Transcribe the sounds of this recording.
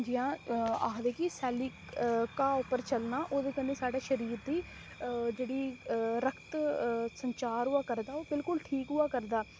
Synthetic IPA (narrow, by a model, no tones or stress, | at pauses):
d͡ʒiãːaːɦd̪eːkɪsɛːlikkaːʊpːəɾt͡ʃəlnaːʔoːd̪eːkəneːsaːɖaːʃəɾiːɾd̪iː | d͡ʒeːɽiːɾəkʰt̪səɲt͡ʃaːɾɦʊaːkəɾd̪aːoːbɪlkʊlʈʰiːkɦʊaːkəɾd̪aː